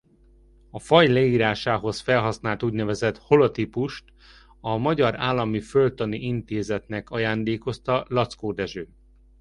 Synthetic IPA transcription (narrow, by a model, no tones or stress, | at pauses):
ɒfɒjlɛiːɾaːʃaːɦo̞sfɛlɦɒsnaːlt̪uːɟnɛvɛzɛt̪ho̞lot̪ipuʃt̪ | ɒmɒɟɒɾaːlːɒmifølt̪ɒniʔint̪eːzɛt̪nɛkɒjaːnd̪eːko̞st̪ɒlɒt̪skoːd̪ɛʒøː